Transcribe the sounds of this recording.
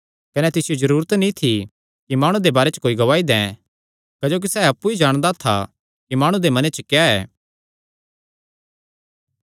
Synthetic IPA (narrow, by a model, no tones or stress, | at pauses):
kɐnɛt̪ɪsɪjozɐɾuːɾət̪nĩt̪ʰi | kimaːɽ̃ũd̪ebaːɾet͡ʃəkoːiɡɐʋaːid̪ɛ̃ | kɐd͡ʒoːk̬isɛːɐpːuid͡ʒaːɽ̃d̪at̪ʰa̰ | kimaːɽ̃ud̪emɐnɛt͡ʃɐkejaɛ̰ː